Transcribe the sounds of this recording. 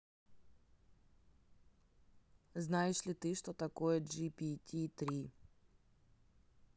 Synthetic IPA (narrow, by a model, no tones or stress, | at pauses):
znajɪʂlʲɪt̪ɨʂt̪ot̪ɐkojɛd͡ʒipʲitʲʰit̪ɾʲi